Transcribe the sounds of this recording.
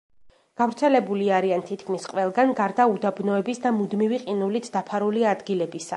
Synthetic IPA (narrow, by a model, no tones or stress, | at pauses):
ɡ̥avɾt̪sʰɛlɛbuliaɾiant̪ʰit̪̚ʰkʰmisqʼwɛlˠɡanɡaɾd̪aud̪abnɔɛbisd̪amud̪miviqʼinulit̪ʰd̪̥apʰaɾuliad̪ɡilɛbisa̰